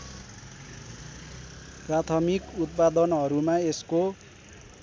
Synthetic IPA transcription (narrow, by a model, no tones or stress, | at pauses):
prat̪ʰʌmikut̪̚pad̪ʌnɦʌɾumaesko